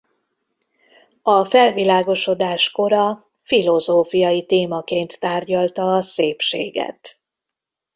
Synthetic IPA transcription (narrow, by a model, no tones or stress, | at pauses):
ɒfɛlvilaːɡo̞ʃo̞d̪aːʃko̞ɾɒ | filo̞zoːfijɒjit̪eːmɒkeːnt̪ːaːrɟɒlt̪ɒːseːpʃeːɡɛ̰t̪